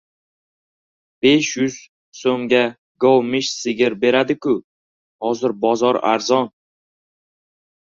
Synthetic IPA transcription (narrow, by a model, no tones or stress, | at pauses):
b̥e̞ʃjʊz̥ | somɡʲa | ɡowmɪʃsɪɡʲɪɾbe̞ɾad̪ɪkʰʊ | hɒzɪɾbɒzɒɾa̰ɾzɒn